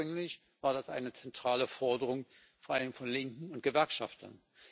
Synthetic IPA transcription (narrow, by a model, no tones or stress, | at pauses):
ʏŋlɪç | v̥aːɐdasʔa̰ɪnət͡sɛntʁ̥aːləfɔɐdəʁ̞ʊŋ | foɐʔaləmfɔnlɪŋkŋ̩ʊnt̚ɡ̥əvɛɐkʃa̰ftʰɐ̰n